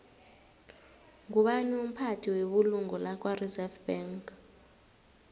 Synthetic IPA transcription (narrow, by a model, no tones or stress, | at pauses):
ŋuɓanɛum̩pʰatʰiweɓuluŋɔlak̬ʼwarizɛfb̥ɛŋk